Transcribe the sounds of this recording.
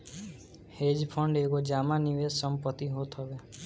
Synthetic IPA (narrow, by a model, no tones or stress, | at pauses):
hed͡ʒpʰɔɳɖekod͡ʒamaniʋesəmpət̪iɦot̪ʰɔbe